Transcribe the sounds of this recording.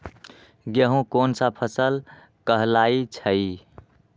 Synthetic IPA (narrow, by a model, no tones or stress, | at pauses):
ɡeɦũkonsapʰəsəl | kəɦlait͡ʃʰəi